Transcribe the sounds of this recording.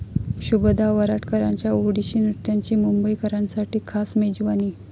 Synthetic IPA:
ɕubd̪ʱaʋəɾaʈkəɾa̰ɲt͡ɕjauɽiɕiːnɾut̪jaɲt͡ɕiːmumbəjkəɾãnsaʈiːkʰasmed͡ʑʋaniː

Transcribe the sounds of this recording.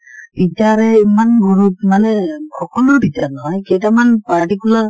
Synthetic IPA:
bitaɹɛimanɡuɹut̚manɛkʰɔkɔlɔɹbʱitaɹnɔɦɔjkɛt̬amanpaɹtikula

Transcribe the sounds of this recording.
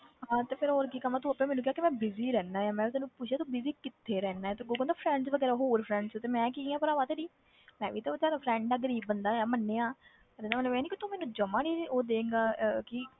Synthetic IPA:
ɦãːt̪eːpʰɪɾoːɾkiːkəmãːt̪ũːəpːɛ̃ːmɛːnũkɪɦaːkɪmɛ̃ːbɪziːɾɛːnaːjaːmɛ̃ːt̪aːnũːpʊt͡ʃʃʰaːt̪ũːbɪziːkɪt̪ʰːeːɾɛːnaːɛːt̪eːɡoːɡɔ̃nd̪aːpʰɾɛ̃ːɳɖsʋəɡɛːɾaɦoːɾpʰɾɛ̃ːɳɖsːt̪eːmɛ̃ːkiːaːpəɾaːʋaːt̪eːɖiː | mɛ̃ːʋiːt̪aːsaːɾaːpʰɾɛ̃ːɳɖaːɡəɾiːbːənd̪aːjaːmənːeːãː | ɾenaːmt̪ləʋɛːniːkit̪ʊ̃mɛ̃ːnũːd͡ʒəmãːɽiːoːd̪eːŋɡaːkɪ

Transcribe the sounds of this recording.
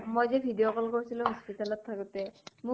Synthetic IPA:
mojzebʱidijokɔlkoɹisʰiloɦɔspitalɔt̪ʰːakut̪ɛmu

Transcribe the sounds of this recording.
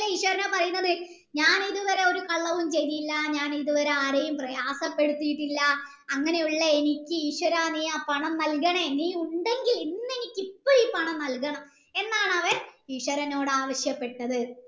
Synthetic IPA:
lːɐiːʂwɐɾɐnoːpɐrɐjunːɐðɨ | ɲaːniðuʋɐɾeo̞ɾukɐɭːɐʋumt͡ɕe̞jðijlːɐɲaːniðuʋɐɾeaːɾɐjumprɐjaːsɐpːe̞ɽut̪ːijiʈːilːɐː | ŋːɐne̞juɭːɐe̞nikʲːɨiːʂwɐɾaːniːaːpɐɳɐmnɐlkɐɳɐniːuɳɖe̞ŋɡilinːe̞nikʲːipːoːiːpɐɳɐmnɐlkɐɳɐm | e̞nːaːɳɐʋɐriːʂwɐɾɐno̞ːɽɨaːʋɐɕjɐpːe̞ʈːɐðɨ

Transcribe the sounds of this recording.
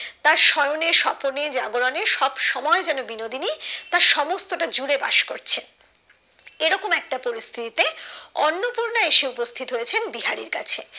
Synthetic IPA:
t̪aɾʃɔjoneɾʃɔponeɾd͡ʑaɡoɾaneʃɔbʃɔmɔed͡ʑɛnobinod̪ʱinit̪aɾʃɔmost̪oʈad͡ʑuɾeba̰ʃko̰ɾt͡ɕʰen | eɾɔkomɛk̚ʈapoɾist̪ʰit̪it̪eɔnːopuɾnaeʃeupost̪ʰit̪oɦojet͡ɕʰenbiɦaɾiɾka̰t͡ɕʰe

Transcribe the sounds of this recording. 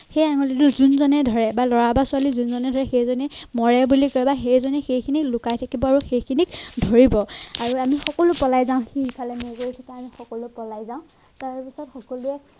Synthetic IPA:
xejaŋɔlitʊzunzɔnɛdʱɔɹɛbalɔɹabasʊalizunzɔnɛdʱɔɹɛxejzɔnɛmɔɹɛbulikɔjbaxejzɔnɛxejkʰiniklʊkajtʰakibɔaɹuxejkʰinikdʱoɹibɔaɹuamixɔkɔlʊpɔlajzaʊ̃xiipʰalɛmojkoɹikʰitaamixɔkɔlʊpɔlajzaʊ̃ | taɹpisɔtxɔkɔluɛ

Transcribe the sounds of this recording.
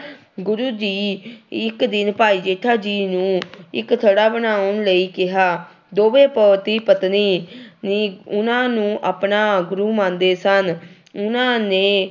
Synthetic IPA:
ɡʊɾuːd͡ʒiːɪkd̪ɪnpaːiːd͡ʒeːʈʰaːd͡ʒiːnũːɪkt̪ʰəɽaːbənaːʊnləiːkɪɦaː | d̪oːʋeːpəːt̪iːpət̪niːniːʊnãːnũːʔaːpnaːɡʊɾuːmãːnd̪eːsən | ʊnãːnẽː

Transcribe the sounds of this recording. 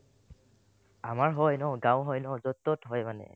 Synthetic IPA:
amaɹɦɔjnɔɡãwɦɔjnɔzɔtːɔtɦɔjmanɛ̰

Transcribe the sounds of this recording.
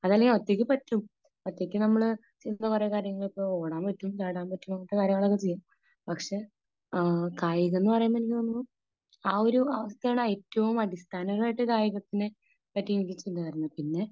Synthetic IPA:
ɐðaːleŋɡilot̪ːjek̬ʲːɨpɐtːum | ot̪ːekʲːɨnɐmːɐɭɨ | t͡ɕind̪ɐkurekaːɾjɐŋːɐɭipːooːɽaːmpɐtːumt͡ɕaːɽaːmpɐtːumɐŋːʈːekaːɾjɐŋːɐɭokːet͡ɕe̞jːaːm | pɐkʂe̞ | kaːjiɣenːɨpɐrɐjamːɐnikʲːinːu | aːo̞ɾuɐʋɐst̪ɐjaːɳɨeːtːɐʋumɐɽist̪ʰaːnɐŋɐɭaːjʈːɨkaːjiɣɐt̪ːinɨ | pɐtːiʋikʲːit͡ɕːinːɐɐɾunːɐpinːe̞

